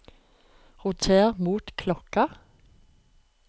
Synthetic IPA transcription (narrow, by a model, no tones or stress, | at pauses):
ʁʊt̪ʰeːʁmuːt̪kʰlɔkə